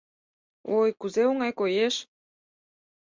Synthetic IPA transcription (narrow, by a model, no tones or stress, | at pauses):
ojkuzeoŋɑjkojeʃ